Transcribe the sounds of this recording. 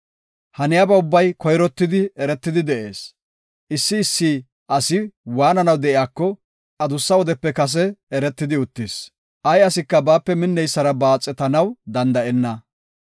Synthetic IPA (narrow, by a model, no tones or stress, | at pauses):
hɐnɪjabɐʊbːɐjkɔjɾɔt̪ːɪd̪ɪɛɾɛt̪ːɪd̪ɪd̪ɛʔe̞ːs | ʔɪsːɪːsːiː | ʔɐsɪwaːnɐnɐwd̪ɛʔɪjaːkːɔ | ʔɐd̪ʊsːɐwɔd̪ɛpːɛkɐs̬ɛɛɾɛt̪ːɪd̪ɪʊt̪ːɪs | ʔɐjɐsɪkːɐbaːpːɛmɪnːɛjsːɐɾɐbaːt͡sʼːɛt̪ɐnɐwd̪ɐnd̪ɐʔɛnːɐ